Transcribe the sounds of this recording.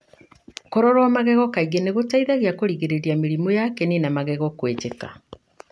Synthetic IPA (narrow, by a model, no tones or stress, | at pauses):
kɔɾɔɾwamaɣɛɣɔkaiɣeneɣotaiðaɣiakoɾiɣeɾeɾiameɾimɔjakɛnenamaɣɛɣɔkwet͡ʃeka̰